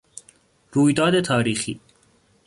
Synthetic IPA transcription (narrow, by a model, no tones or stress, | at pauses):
ɾuːjd̪ɒːd̪et̪ʰɒːɾiːxiː